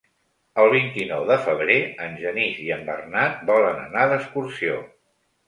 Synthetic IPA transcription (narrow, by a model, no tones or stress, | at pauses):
əlˠβ̞int̪inɔwðəfəβ̞ɾeənʲʒəniziəmbə̰rnat̪̚bɔlənə̰naðəskursio̰